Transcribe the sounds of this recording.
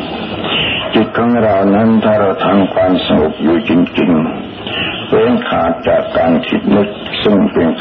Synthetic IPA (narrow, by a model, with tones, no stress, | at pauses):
t͡ɕi˨˩t̪̚kʰaː˧˥˩ŋ˧ɾa˧˩wna˦˥˨nt̪ʰaː˧˩ɾa˧˩t̪ʰa˧˥mkʰwaː˧msa˧ŋo˨˩p̚juː˨˩t͡ɕi˧ŋt͡ɕi˧ŋ | pʰlɛː˧˥ŋkʰaː˨˦t̪̚t͡ɕa̰ː˨˩kːaː˧nkʰḭ˨˩t̪̚nɯ˦˥˩k̚sɯ˥˩ŋpe˧ŋk